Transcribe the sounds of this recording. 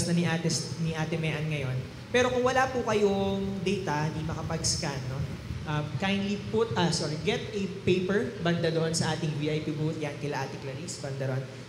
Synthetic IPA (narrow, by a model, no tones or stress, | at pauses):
snɐniʔaːt̪ɛsniʔat̪ɛmɛʔɐnŋɐjo̞n | pɛːɾo̞kʊŋwɐlapʊkɐjoŋd̪ɛjt̪ɐd̪imɐkɐpɐɡskanːo̞ | ʔɐmkajnlipʊt̪ɐsoɹɡɛt̪ɛpejpɛɹbɐnd̪ɐd̪oʔonsɐʔaːt̪ɪŋviːʔɐjpibut̪jankɪlɐʔat̪ɪklɐɾisbɐnd̪ɐɾon